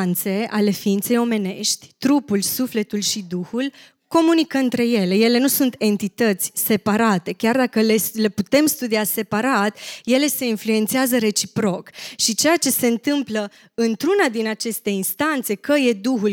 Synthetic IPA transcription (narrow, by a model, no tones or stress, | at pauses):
nt̪se̞a̰le̞fiint̪se̞jo̞me̞ne̞̰ʃt̪ʲt̪ɾupulsufle̞t̪ulʃid̪uxul | ko̞munikəɨnt̪ɾe̞je̞le̞je̞le̞nusunt̪e̞nt̪it̪ət̪sʲse̞paɾat̪e̞kʲard̪akəle̞le̞put̪e̞mst̪ud̪iase̞paɾat̪je̞le̞se̞influe̞nt̪seazəɾe̞t͡ʃipɾo̞kʃit͡ʃe̞jat͡ʃe̞se̞ɨnt̪ɨmplə | ɨnt̪ɾunad̪inat͡ʃe̞st̪e̞inst̪ant̪se̞kəje̞d̪uxul